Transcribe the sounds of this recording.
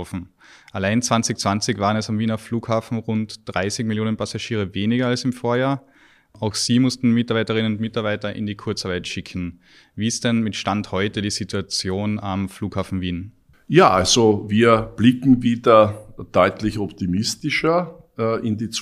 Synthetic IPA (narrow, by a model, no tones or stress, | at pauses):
fn̩ | ʔalaɪnt͡sv̥ant͡sɪçt͡sv̥ant͡sɪçvaːʁənɛsamviːnɐfluːkhaːfn̩ʁʊntd̥ʁaɪsɪkmɪljoːnənpʰasaʃiːʁəveːnɪɡɐalsɪmfoːɐjaːɐ | ʔaʊxsiːmʊstn̩mɪtaɐbaɪtəʁɪnənʊntmɪtaɐbaɪtɐʔɪ̰ndiːkʰʊɐt͡saɐbaɪtʃɪkʰn̩ | viːɪst̚d̥ɛnmɪtʃtanthɔʏtədiːzituat͡sjoːnamfluːkhaːfn̩viːn | jaːʔalzoviːɐb̥lɪkŋ̩viːdɐd̥ɔʏtlɪçɔptimɪstɪʃɐ | ɪndiːt͡s